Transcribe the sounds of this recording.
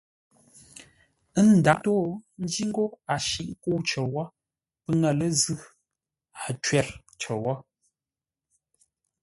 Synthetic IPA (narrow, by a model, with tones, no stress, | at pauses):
ə˦n̩˨da˨˦to˦n̩˦d͡ʒi˦ŋ˦ɡo˦a˨ʃi˨ʔŋ˦ku˦˨wt͡ʃə˨wɔ˦ | pɨ˦ŋa˦˨lə˦zʉ˦ | a˨t͡ʃwɛ˨ɾ | t͡ʃə˨wɔ˦